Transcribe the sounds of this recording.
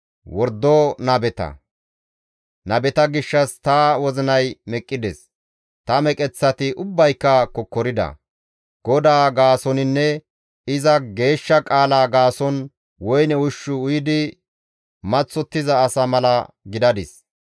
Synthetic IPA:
wɔɾd̪ːonɐbɛt̪ɐ̰ | nɐbɛt̪ɐɡɪʃːɐst̪ɐwɔzɪnɐjmɛkʼːɪd̪ɛs | t̪ɐmɛkʼɛt͡sːɐt̪ɪʔʊbːɐjkːɐkɔkːɔɾɪd̪ɐ̰ | ɡ̥ɔd̪aːɡaːsɔnɪnːɛ | ɪzɐɡe̞ːʃːɐkʼaːlaːɡaːsɔn | wɔjnɛwʊʃːʊʊjɪd̪ɪ | mɐt͡sːɔt̪ːɪzɐːsɐmɐlɐ | ɡɪd̪ɐd̪ɪs

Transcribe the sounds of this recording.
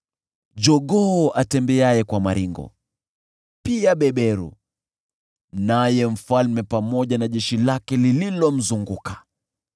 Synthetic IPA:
d͡ʒɔɠɔʔatɛmbɛajɛkwamaɾiŋɡɔ̰ | piaɓɛɓɛɾṵ | najɛm̩falmɛpamɔʄanaʄɛʃilakɛlililɔm̩zuŋɡukḁ

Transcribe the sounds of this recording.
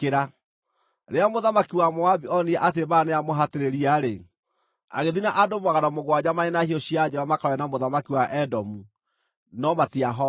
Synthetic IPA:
keɾa | ɾeamoðamakiwamoabiɔniɛʔat̬ebaneamoɦateɾeɾiaɾe | a̰ɣeðinaʔadomuaɣanamoɣwad͡ʑamaenahiɔɕiad͡ʒɛβamakaɾɔɛnamoðamakiwaʔɛdɔmu | nɔmatiaɦɔ

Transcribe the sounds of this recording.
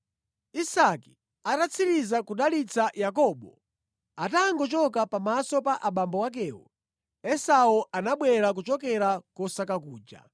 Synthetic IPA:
isaki̥ | atat͡sʰiɾizakuɗalit͡sajakɔːɓɔ | ataːŋɡɔt͡ʃɔkapamasɔpaʔaɓambɔwak̬ɛːwṵ | ɛsaɔʔanaɓwɛɾak̬ut͡ʃɔkɛɾakɔsakakuːd͡ʒa̰

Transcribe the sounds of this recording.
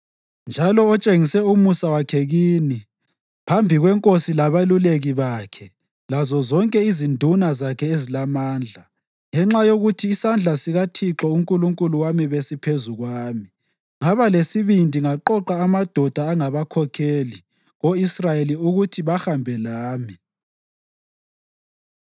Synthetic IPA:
nd͡ʒʱalɔːt͡ʃʼeŋisɛumusawakʰɛɣiːni | pʰambʱiɣwɛŋkʼosilaβaluleɣiβakʰɛ | lazɔzɔŋkʼɛizindʱunazakʰɛezilamaːnd͡ɮʱa | ŋɛŋ͡ǁajoɣutʰiːsand͡ɮʱasiɣatʰiǁɔuŋkʼuluŋkʼuluwamiβesipʰezuɣwaːmi | ŋaβalesiβindʱiŋaǃɔǃaːmad̥ʱɔd̥ʱaːŋaβakʰɔkʰeli | ɣoisrajeliuɣutʰiβaxambʱɛlaːmi

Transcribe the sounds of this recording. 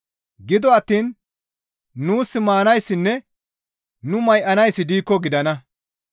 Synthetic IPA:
ɡɪd̪ɔɐt̪ːiːn | uːsːɪmaːnɐjsːɪnːɛ | nʊmɐjʔɐnɐjsːɪd̪iːkːɔɡɪd̪ɐnɐ

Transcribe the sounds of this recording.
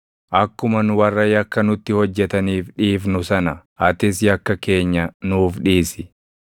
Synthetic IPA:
ʔɐkːʊmɐnʊwɐrːɐjɐkːɐnʊt̪ːɪhɔd͡ʒːɛt̪ɐniːfᶑiːfnʊsɐnɐɐt̪ɪs̬jɐkːɐke̞ːɲːɐnuːfᶑiːsɪ

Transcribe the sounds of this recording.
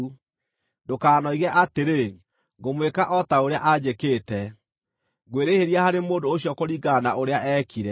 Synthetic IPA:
dokaːnɔiɣɛʔateɾe | ɡomwekaʔɔtaoɾeaʔad͡ʑekeːtɛ | ɡweɾeheɾiahaɾemoːdoːɕjɔkoɾiɡanaʔoɾeaʔɛːkiɾɛ

